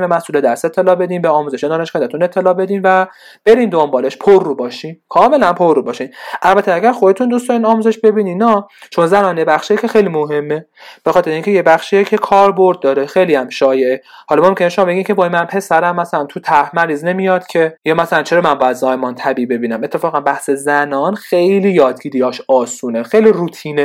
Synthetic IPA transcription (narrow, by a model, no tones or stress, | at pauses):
bemæsʔuːled̪æɾse̞t̪ʰːe̞lɒːbe̞d̪iːmbeɒːmuːze̞ʃed̪ɒːne̞ʃkænd̪æt̪ʰune̞t̪ʰːe̞lɒːbe̞d̪iːnvæ | b̥e̞ɾind̪ombɒːleʃpʰorːuːbɒːʃinkʰɒːme̞lænpʰorːubɒːʃinʔælbæt̪ʰeæɡʲæɾxod̪et̪und̪ust̪ɒːninɒːmuːze̞ʃbe̞biːninɒt͡ʃʰo̞nzænɒːnjebæxʃijecʲʰexejlimoɦe̞mːe | b̥exɒːt̪ʰeɾeiŋcʰe̞jebæxʃijecʰe̞kʰɒːɾboɾd̪̚ːɒːɾexejliæmʃɒːje̞ʔehɒlɒmo̞mcʰʲeneʃo̞mɒːbe̞ɡʲiːmcʰebɒːimænpʰe̞sæɾæmːæsælænt̪ʰut̪ʰæhmæɾiːzne̞mijɒːd̪̥cʰe̞jɒːmæsælænt͡ʃʰeɾɒːmænbɒːjæd̪zɒːjmɒnt̪ʰæbiːbe̞biːnæme̞t̪ʰːe̞fɒːɣænbæhse̞zænɒːnxe̞jliːjɒːd̪ɡiːd̪ijɒːʃɒːsuːnexejliruːt̪ʰiːne